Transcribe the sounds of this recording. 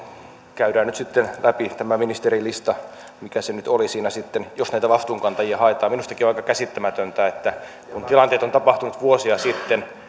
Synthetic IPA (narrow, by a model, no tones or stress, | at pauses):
kæydæːnnyt̪sit̪ːenlʔæpit̪æmæminist̪eɾilist̪ɑ | mikæsenyt̪olisiːnæsit̪ːenjosnæit̪æʋɑst̪uːŋkɑnt̪ɑjiɑhɑet̪ɑːminust̪ɑkioɑikɑkæsit̪ːæmæt̪ønt̪æet̪ːæ | kunt̪ilɑnt̪eːt̪ot̪ɑpɑht̪unut̪ʋuosiɑsit̪ːen